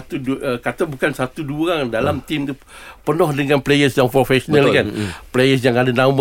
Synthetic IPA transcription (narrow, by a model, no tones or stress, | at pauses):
t̪ukat̪abukansat̪uduɾaŋdalamt̪imt̪u | pərnɔhdəŋãnplejəsjaŋpɾofɛsonalkanplejəs̬jaŋadanam